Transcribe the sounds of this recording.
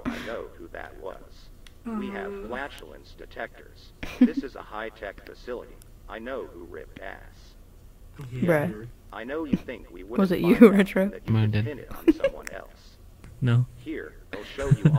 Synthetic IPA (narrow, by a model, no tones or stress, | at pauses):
aɪnoʊhuðɨ̰t̚wʌz̥ | wiɨv̥læt͡ʃl̩ˠɪ̰̃nstɨtʰɛk̚tə˞z̥ðɪsɨzə̰haɪtʰɛkfɨsɪlˠə̰ɾḭ | ʔaɪnoʊhṵɹɪ̰p̚dæ̰s | bɹɛʔaɪnoʊjθɪ̃ŋkwḭwwʌzɨʔɨɹɛtʰɹ̥oɨmãndɨnɨ̰ɾn̩sʌmwʌ̰̃nɛ̰lˠs | noʊhiɹaɪlˠʃoʊjɨ